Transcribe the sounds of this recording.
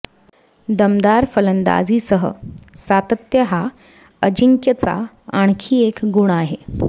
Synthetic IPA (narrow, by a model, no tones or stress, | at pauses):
d̪əmd̪aɾfələnd̪a̰d͡ziːsəɦə̰sat̪ət̪jəɦa | əd͡ʑiŋkjət͡sa̰ | aɳ̃kʰiːekɡuɽ̃aɦe